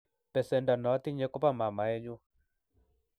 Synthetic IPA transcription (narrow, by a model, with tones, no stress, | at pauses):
pɛ˨sɛ˨nda˨nɔ˨˦t̪i˦ɲe˦kɔ˦pa˦ma˨ma˨ɛ˦ɲu˦